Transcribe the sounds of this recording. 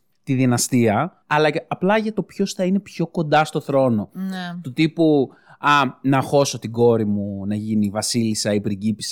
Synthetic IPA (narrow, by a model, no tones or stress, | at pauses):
t̪iðinɐst̪iɐ | ɐlɐːplɐʝɐt̪o̞pço̞sθɐine̞pço̞ko̞nd̪ɐst̪o̞θɾo̞no̞nt̪ut̪ipu | ɐnɐxo̞so̞t̪iɡo̞ɾimunɐʝinivɐsilisɐipɾiɟipisɐ